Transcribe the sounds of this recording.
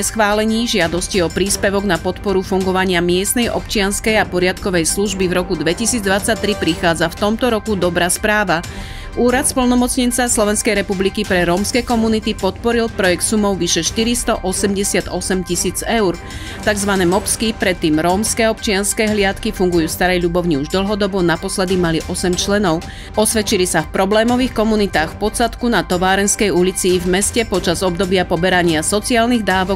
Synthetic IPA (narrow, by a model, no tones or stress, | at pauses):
sxʋaːlɛɲiːʒɪad̪ɔsciɔpɾiːspɛʋɔɡnapɔt̪pɔɾufuŋɡɔʋaɲɪamɪɛst̪nɛjʔɔ̰pt͡ʃɪanskɛjapɔɾɪat̪kɔʋɛjsluʒbivɾɔkud̪ʋɛcisiːd͡zd̪ʋat͡sac̚t̪ɾipɾixaːd͡zaft̪ɔmt̪ɔɾɔkud̪ɔbɾaːspɾaːʋa | uːɾat̪splnɔmɔt͡sɲɛnt͡saslɔʋɛnskɛjɾɛpublikipɾɛɾɔmskɛkɔmunit̪ipɔt̪pɔɾilpɾɔjɛkt̪sumɔʊʋiʃɛʃt̪iɾist̪ɔʔɔsɛmɟɛsɪad̪ɔsɛmcisiːd͡zɛʊɾ | t̪aɡzʋanɛːmɔpskipɾɛt̪ːiːmɾɔmskɛːɔpt͡ʃɪanskɛɦlɪat̪kifuŋɡujuːst̪aɾɛjʎubɔʊɲiuʒd̪l̩ɦɔd̪ɔbɔnapɔslɛd̪imaliʔɔsɛmt͡ʃlɛnɔʊ | ɔsʋɛt͡ʃilisafpɾɔblɛːmɔʋiːxkɔmunit̪aːxfpɔt͡sat̪kunat̪ɔʋaːɾɛnskɛjulit͡siːvmɛscɛpɔt͡ʃazɔbd̪ɔbɪapɔbɛɾaɲɪasɔt͡siaːlniɣd̪aːʋɔ